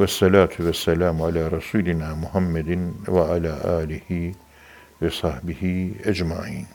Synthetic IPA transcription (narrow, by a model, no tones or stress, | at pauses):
wɑsˤːɑlaːt̪ʰwasːalaːmʕalaːɾˤɑsuːlɪnaːmʊhamːad̪waʕalaːʔaːlɪhɪ | wɑsˤɑħbɪhɪʔad͡ʒmaʕiːn